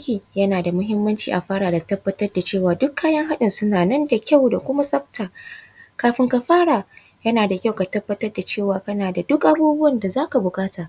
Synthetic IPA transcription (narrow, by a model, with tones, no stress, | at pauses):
kʲiː˨jɐ˦naː˨da˨mʊ˦ɦɪ˦mːɐ˦nt͡ʃḭː˨ʔa˨ɸaː˦ɽaː˨da˨tɐ˦bːɐ˦tɐ˦rda˨t͡ʃeː˦˨waː˨dʊ˦kːaː˦jɐ˦ŋɦa˦ɗɪ˨nsʊ˦naː˨nɐ˦nda˨kʲa˦˨wda˨kʷʊ˦ma˦sɐ˦ɸ̚taː˨kaː˨ɸɪ˨ŋkɐ˨ɸaː˦ɽaː˨ | jɐ˦naː˨da˨kʲa˦˨wka˨tɐ˦bːɐ˦tɐ˦rda˨t͡ʃeː˦˨waː˨kɐ˦naː˨da˨dʊ˦kʔa˦buː˦bʊ˦wɐ˨nda˨zaː˦ka˨bʊ˨kʼaː˦taː˨ʔ